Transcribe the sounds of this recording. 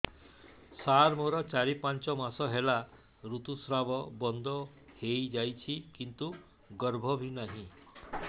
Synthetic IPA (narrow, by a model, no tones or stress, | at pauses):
saɾmoɾɔt͡ʃaɾipant͡ʃɔmasɔɦela | ɾut̪usɾabɔbɔnd̪ʱɔ | hejd͡ʒajt͡ʃʰikint̪u | ɡɔɾbʱɔbʱinaɦĩ